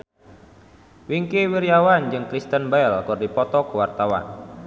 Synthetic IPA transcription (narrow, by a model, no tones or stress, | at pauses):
wiŋkewiɾjawand͡ʒɨŋkɾist̪ənbaɛlkɔrdipɔt̪ɔkəwart̪awa̰n